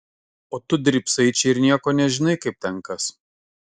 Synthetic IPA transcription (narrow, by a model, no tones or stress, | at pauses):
oːt̪ʊd̪ʲɪɾʲˑpʲsɐɪt͡ʃʲɛɪɾnʲiɛkoːnʲɛʒʲɪnɐɪkɐɪp̚t̪ʲɛŋˑkɐs